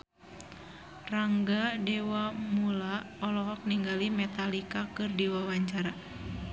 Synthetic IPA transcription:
raŋɡadɛwamula | ɔlɔɦɔk̚niŋɡalimɛt̪alikakɨrdiwawaɲt͡ʃaɾa

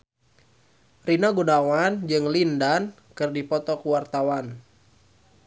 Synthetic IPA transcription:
rinaɡunawand͡ʒɨŋlindan | kɨrdipɔt̪ɔkuwart̪awan

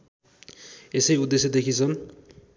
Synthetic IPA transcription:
esʌjud̪ːesjed̪ekʰit͡sʰʌn

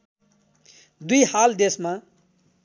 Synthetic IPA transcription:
d̪ujhald̪esma

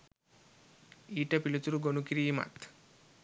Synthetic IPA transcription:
iːʈɐpilut̪uɾuɡonukiɾiːma̰t̪ʰ

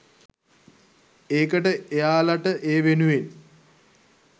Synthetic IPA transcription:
eːkəʈəejaːlaʈəʔeːʋenuʋen

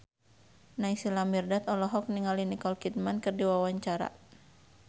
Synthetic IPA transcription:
naisilamirdat̪ɔlɔɦɔk̚niŋalinikɔlkit̪̚mankɨrdiwawaɲt͡ʃaɾa̰

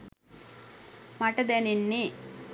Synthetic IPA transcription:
mɐʈɐd̪eːninːi

